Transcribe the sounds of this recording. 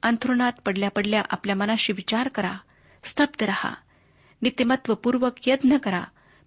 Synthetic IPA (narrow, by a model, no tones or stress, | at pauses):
ənt̪ʰɾuɳat̪pəɽljapəɽljaʔapljamənãɕiːʋit͡ɕaɾkəɾa̰ | st̪ʰəb̚d̪əɾaha̰ | nit̪imət̪ʋəpuɾʋəkjəd̪nəkəɾa̰